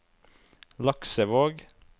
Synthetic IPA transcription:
lɑksəʋoːɡ

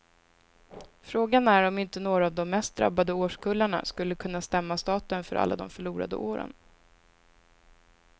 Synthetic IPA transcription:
fɾoːɡanæɾɔmɪnt̪ənoːɾaːvd̪ɔmːɛst̪̚d̪ɾa̰bːad̪əoːʂkʰɵlːaɳa̰skɵlːəkʰɵnːast̪ɛmːast̪ɑːt̪ənfœɾʔa̰lːa̰d̪ɔmfœɭuːɾa̰d̪ə̰ʔoːɾə̰n

